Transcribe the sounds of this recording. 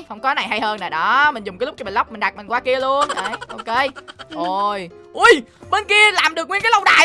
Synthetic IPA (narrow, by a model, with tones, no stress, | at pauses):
hə˧wŋ͡mkɔ˨˦na˨˩jɦa˧jhəː˧naː˨˩ɗɔ˨˦mi̟˨˩zʊ˨˩ŋ͡mkaː˨˦lk͡p̚t͡ɕɔ˧ɓi˨˩nlə˦˥wk͡p̚mï̟˨˩ɗa˨˩t̚mï˨˩ŋ̟kwaː˨˦ki˧əlu˧ənʔə˧˩jʔo˧ke˧ʔo˨˩j | ʔu˧˩jɓe˧nki˧əlaː˨˩mɗɨ˨˩ək̚ŋwi˧nkaː˨˦lə˧wɗa̰ː˨˩